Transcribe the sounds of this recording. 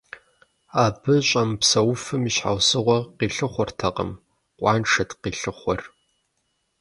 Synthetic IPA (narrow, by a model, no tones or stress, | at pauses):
aːbɨɕʼɐmpsɐwfɨmiɕħa̰wsɨʁʷɐqiːɬɨχʷɔrtʰɐqʼə̰m | qʷʼɑːnʈ͡ʂʰɐtqiːɬɨχʷɔr